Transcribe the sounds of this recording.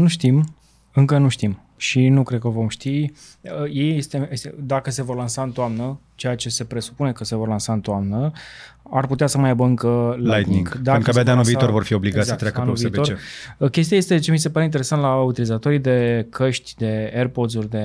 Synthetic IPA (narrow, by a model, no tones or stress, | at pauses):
nuʃt̪im | ɨŋkənuʃt̪im | ʃinukɾed̪̚kəvo̞mʃt̪i | əje̞jest̪eesd̪akəse̞vo̞rlansaɨnt̪oamnət͡ʃe̞jat͡ʃe̞se̞pɾe̞su̥pune̞kəse̞vo̞rlansaɨnt̪oamnə | arput̪easəmajabəɨŋkəlajt̪niŋɡd̪aukabad̪eanulviːt̪o̞rvo̞rfio̞bliɡat̪zasət̪ɾatkəanulviit̪oekʲe̞st̪iaje̞st̪e̞t͡ʃe̞mis̬e̞paɾeint̪eɾesant̪laut̪ilizat̪o̞ɾid̪e̞kʰəʃt̪ʲd̪e̞erpo̞d̪zurʲd̪e̞